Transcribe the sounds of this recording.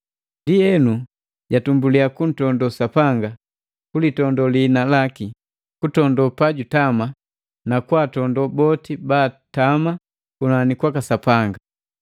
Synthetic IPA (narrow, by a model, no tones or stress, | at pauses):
ndiɛnu | ɟatumbuliakun̩tɔndɔsapaŋɡa | kulitɔndɔlinalaki | kutɔndɔpaɟutama | nakwatɔndɔbɔtibaːtama | kunanikwakasapaŋɡa